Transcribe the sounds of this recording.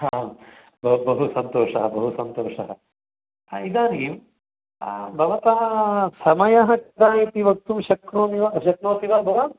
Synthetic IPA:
ɦa | bɐbɐɦusɐnt̪oːʂɐɦɐbɐɦusɐnt̪oːʂɐɦɐ̰ | id̪aːnim | bʱɐʋɐt̪aːɐsɐmɐjɐɦɐkɐd̪aːit̪iʋɐk̚t̪umʃɐkɾuːmiʋaɐʃɐk̚noːt̪iʋaːlbʱɐʋaː

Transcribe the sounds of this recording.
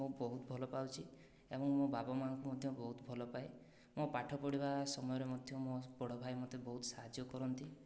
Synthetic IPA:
õbɔɦut̪ɔbʱɔlɔpawt͡ʃʰi | ebɔŋmõbabɔmaɔŋkumɔd̪ʱjɔbɔɦut̪bʱɔlɔpae | mopaʈʰɔpɔɽibasɔmɔjɔɾemɔd̪ʱjɔmobɔɽ̤ɔbʱajmɔt̪ebɔɦut̪ɔ̥saɦad͡ʒjɔkɔɾɔnt̪i

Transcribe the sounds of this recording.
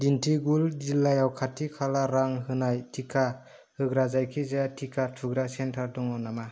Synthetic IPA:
dintʰiɡuld͡ʒilːajawkʰatʰikʰalaɾaŋɦɯnajtʰikʰa | hɯɡɾazajkʰizatʰikʰatʰuɡɾasentʰaɾdɔŋɔnama

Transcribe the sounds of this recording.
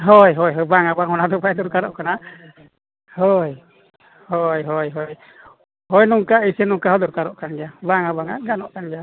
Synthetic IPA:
ɦɔjɦɔjɦɔjbaŋabaŋɦɔnad̪ɔbajd̪ɔɾkaɾɔ̰ʔkana | hɔj | hɔjɦɔjɦɔj | hɔjnɔŋkaisɛnɔŋkaɦɔd̪ɔɾkaɾɔʔkanɡɛjabaŋabaŋa̰ʔɡanɔʔkanɡɛja

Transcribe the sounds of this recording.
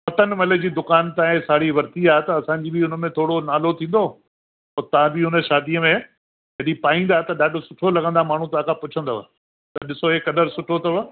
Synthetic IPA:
pɐt̪ənmɐled͡ʑiːd̪ʊkaːnt̪ãːɪ̃saːɽiʋɐɾt̪iaːɦet̪ɐɐsãːɲd͡ʑiːbɪʊnə̆mẽt̪ʰoːɽonaːlot̪ʰĩːn̆d̪oː | ɔːɾt̪ɐʋãbɪɦʊnə̆ʃaːd̪iəmẽ | d͡ʑɐɗipaːĩnd̪aːɦet̪ɐɗaːɖʊsʊʈʰolɐɡə̃nd̪amaːɳ̤ũt̪ɐãkʰãpʊt͡ɕʰə̃nd̪o̰ː | t̪ɐɗɪsoekɐd̪əɾsʊʈʰot̪ɐ

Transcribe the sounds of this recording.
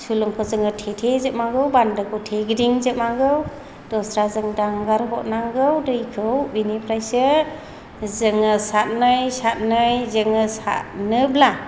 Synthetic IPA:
sulɯŋkʰɔzɯŋɯtʰetʰezɯʔ̚maŋɡɯwbandɯkʰɔwtʰeɡɾiŋzɯmaŋɡɯw | d̥ɔsɾazɯŋdaŋɡaɾɦɔʔnaŋɡɯwdɯjkʰɯwbinipʰɾajsɯ | zɯŋɯsat̚nɯjsat̚nɯjzɯŋɯsa̰ʔnɯbla

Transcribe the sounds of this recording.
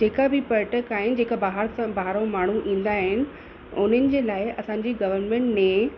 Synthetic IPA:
d͡ʑeːkabɪpɐɾʈəkaːɦɪnɪ̆d͡ʑeːkabaːɦəɾsãbaːɾõmaːɳ̤uʔĩːn̆d̪aːɦɪnɪ̆ | ʊn̤ənɪ̆d͡ʑeːlaːɪɐsãːɲd͡ʑiɡɐʋəɾnmẽɳʈmẽ

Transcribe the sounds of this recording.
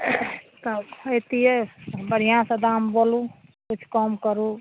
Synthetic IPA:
t̪ɔet̪iebəɽ̤ijãsəd̪ambolũkut͡ʃʰkɔmkəɾũ

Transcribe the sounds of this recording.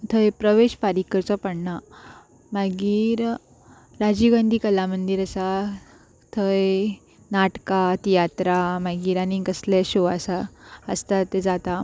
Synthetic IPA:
t̪ʰəjpɾəʋeɕpaɾikəɾt͡sɔpəɽɳa | maɡiːɾ | ɾad͡ʑiɡãnd̪ʱiːkəlamənd̪iɾəsa | t̪ʰəj | naʈkat̪ijat̪ɾamaɡiːɾanikəsleɕoʋasaə̰st̪at̪ːed͡zat̪a

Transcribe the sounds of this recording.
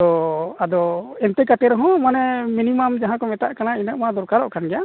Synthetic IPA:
ɔad̪ɔɛnt̪ɛkat̪ɛɾɔɦɔ̃manɛminimamd͡ʒaɦãkɔmɛt̪a̰ʔkanainəʔ̚mad̪ɔɾkaɾɔ̰ʔkʰanɡɛja

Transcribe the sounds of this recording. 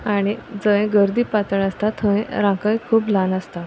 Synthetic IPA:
aɽ̃id͡zə̃jẽɡəɾd̪iːpat̪əɭəst̪at̪ʰːə̃ẽɾãkə̃jkʰuːplãnəst̪a

